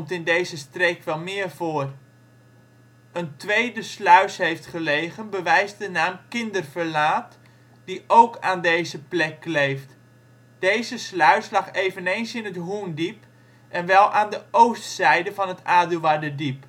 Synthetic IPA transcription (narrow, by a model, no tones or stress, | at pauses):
mtɪndejzəstrekʋɛlˠmɪːərvoːər | əntʋejdəslœɥshejftχəlejɣənbəʋɛjzdənaːmkɪndərvərlaːt | d̥iʔowkaːndeːjzəplɛklejft | d̥ejzəslœɥslɑχeːvənejnsɪnətɦuːndip | ʔɛnʋɛlˠʔaːndəowstsɛjdəvɑnətaːdylˠʋadədip̚